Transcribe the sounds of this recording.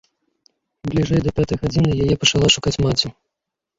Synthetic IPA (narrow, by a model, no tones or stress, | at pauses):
blʲiʐɛjd̪ɐpʲat̪ɐjɣad͡zʲinɨjajɛpɐt͡ʂalˠɔʂukat͡sʲmat͡sʲi